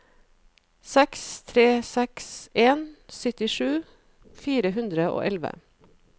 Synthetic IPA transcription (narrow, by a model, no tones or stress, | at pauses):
sɛkst̪ʰɾeːsɛkseːnsœt̪ɪʂʉː | fiːɾəɦʉnd̪ɾəo̰ːʔɛlʋə̰